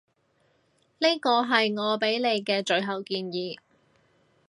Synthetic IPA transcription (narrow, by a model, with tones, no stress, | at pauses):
ni˥jkɔː˧ɦɐ˨jŋɔː˨˧pe˨˥jle˨˧jkɛː˧t͡ʃɵ˨˧ɥɦɐ˨wkiː˧njiː˨˧